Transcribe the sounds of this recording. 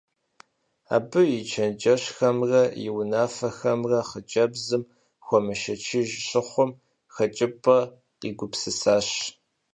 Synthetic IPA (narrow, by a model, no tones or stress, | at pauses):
a̰ːbɨjɪt͡ʃʰɐnd͡ʒʼɐɕxɐmrɐjɪwnaːfɐxɐmrɐχət͡ʃʼɐbzɨm | xʷɔmɨʃɐt͡ʃʰɪʒɕɪχʷʊm | xɐt͡ʃʼɪpʼɐ | qiɡʷʊpsɨsaːɕ